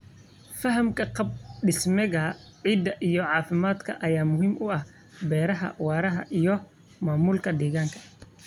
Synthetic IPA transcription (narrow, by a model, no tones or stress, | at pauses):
fɐɦɐmkʰɐqɑb̚ɖɪsmɛɣɐʕiːd̪ɐʔijɔʕɑːfɪmaːd̪kʰɐ̰ʔɐjaːmʊɦiːmʔʊɐh | bɛːɾɐɦɐ̰wɑːɾɐɦɐ̰ʔijɔ | maːmuːlkʰɐd̪ɛːɣaːŋkʰɐ̥